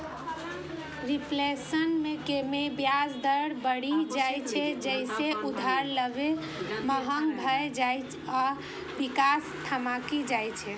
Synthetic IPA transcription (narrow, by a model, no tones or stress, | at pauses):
ɾiplesənmekemebjad͡ʒd̪əɽbəɽid͡ʒajt͡ʃʰɛd͡ʒəɪseʔud̪ʱaɾləbe | məɦəŋɡbʱəed͡ʒajt͡ʃ | a | ʋikast̪ʰamakid͡ʒajt͡ʃʰɛ